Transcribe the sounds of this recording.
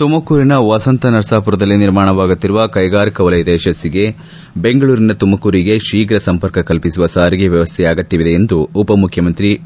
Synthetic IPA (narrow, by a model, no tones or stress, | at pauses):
t̪umɐkuːɾinɐʋɐsɐnt̪ɐnɐɾɐsaːpuɾɐd̪ɐlːiniɾmaːɳ̃ɐʋaːɡut̪ːiɾuʋɐkɐjɡaːɾikɐʋɐlɐjɐd̪ɛːʃɐsːiɡe̞ | be̞ŋɡɐɭuːɾinɐt̪umɐkuːɾiɡe̞ʃiːɡɾɐsɐmpɐɾkɐkɐlpisuʋɐsaːɾiɡeʋjɐʋɐst̪ʰɛjaːɡɐt̪ːiʋid̪e̞end̪uːpɐmukʰjɐmɐnt̪ɾi